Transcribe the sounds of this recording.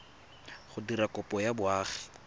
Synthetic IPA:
χʊdirakɔpʼɔjabʊaːχɛ̥

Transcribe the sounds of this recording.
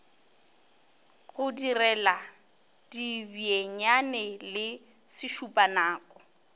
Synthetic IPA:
ɣʊdirɛla | d̥ibieɲanɛlɪ | sɪʃupʼanaːkʼɔ

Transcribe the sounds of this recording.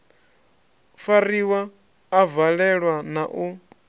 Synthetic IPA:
fariwaː | vaɺɛɺwanaʔu

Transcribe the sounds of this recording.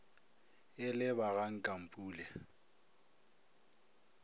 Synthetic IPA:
ɪlɪbaɣaŋ̩kʼam̩pʼuːlɛ

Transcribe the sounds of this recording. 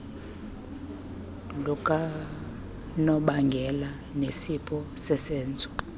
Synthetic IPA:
lɔkʼa | nɔɓaŋɡʱɛla | nesipʰɔsɛsɛːnt͡sʼɔ̥

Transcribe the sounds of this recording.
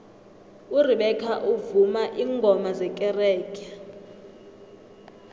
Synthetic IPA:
uriɓɛkʰaʔuvumaʔiːŋɡʱɔmazɛkʼɛrɛːkʰʼa

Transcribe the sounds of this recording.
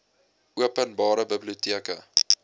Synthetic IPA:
ʔuəpənbɑːɾəbəbliutiəkə̰

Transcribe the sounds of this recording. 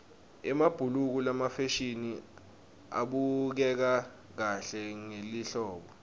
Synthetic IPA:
ɛmab̥ʱuluk̬ulamafeʃini | a̰ɓuk̬ɛk̬a | k̬aɬɛŋeliɬɔːɓɔ

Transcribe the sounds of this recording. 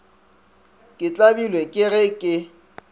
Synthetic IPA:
kʼɪt͡ɬʼabilwekʼɪɣɪkʼɪ

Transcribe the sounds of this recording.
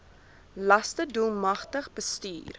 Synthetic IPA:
lɐstədulˠmɐχtəχbəsty̰ːr

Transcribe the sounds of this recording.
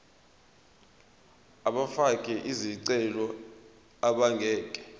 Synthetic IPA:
aɓafakʼɛʔiziǀɛlɔ | aɓaŋɡʱɛːkʼɛ̥

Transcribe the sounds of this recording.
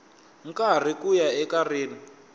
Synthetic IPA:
ŋ̩kar̤ikujaɛkariːni

